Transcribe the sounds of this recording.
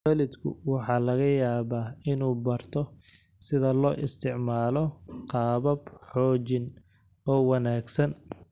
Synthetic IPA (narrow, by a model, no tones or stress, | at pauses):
wɛːlɪd̪kʰʊ̰wɑħɑːlɐɣɐjaːβaːɪnuːbɐrt̪ʰɔ | sɪðɐlɔːʔɪst̪ʰɪʕmaːlɔqɑːβɐbħɔːt͡ʃɪn | ɔːwɑnaːɡsɐn